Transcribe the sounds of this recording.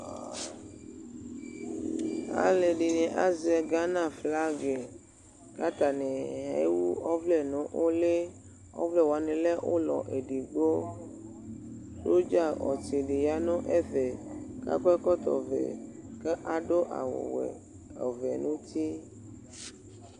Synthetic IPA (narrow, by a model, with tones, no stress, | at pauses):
a̰˨le˨ɖi˨nɛ̃˨ʔa˦zɛ˨ɡa˦nã˦˨fla˦ɡe˨ | ka˦t̪a˨nɛ˨ɦḛ˦wu˦ɔ˦vlɛ˦˨nɔ̃˨˦ʔo˦le˦ | ɔ̰˦vlɛ˦˨wa˨nẽ˨le˦ʔo˦lɔ̰˨ʔe˨ɖi˨ɡ͡bo˦ | so˦d͡ʒa˦˨ɔ̰˨t͡ʃe˨ɖe˨ja˨˦nõ˦ʔe˦vɛ˨ka̰˦kɛ˦kɔ˦t̪ɔ̰˨vɛ̰˨ke˦ʔa˨ɖo˦ʔa̰˨wɔ̰˨wɛ̰˨ | ɔ˨vɛ˨nũ˦t̪i˦